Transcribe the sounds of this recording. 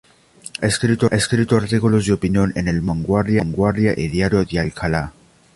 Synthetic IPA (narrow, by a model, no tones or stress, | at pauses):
aeskɾit̪oeskɾit̪oaɾt̪ikulozdeopinjonenelβaŋɡwaɾðjaŋɡwaɾðjaʔeðjaɾjoðealkʰala